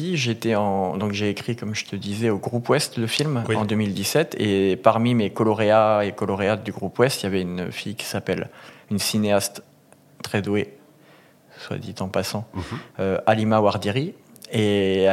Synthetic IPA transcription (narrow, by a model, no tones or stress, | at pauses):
iʒet̪ɛɑ̃d̪ɔ̃kʒeːkχikɔmʒət̪ʰəd̪izɛoɡʁupwɛst̪ləfilmɑ̃d̪əmild̪isɛt̪ḛpaʁmimekɔlɔʁeaekɔlɔʁead̪yɡʁupwɛst̪javɛyn̰fijkʲi̥sapɛlynsineast̪ː | χɛd̪we | swa̰d̪it̪ɑ̃pasɑ̃øʔalimawaʁd̪iʁie